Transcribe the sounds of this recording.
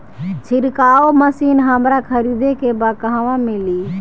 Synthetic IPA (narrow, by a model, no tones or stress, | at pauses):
t͡ʃʰɪɾkaːoməsiːnɦəmɾakʰəɾid̪ekebakəɦaʋãmeliː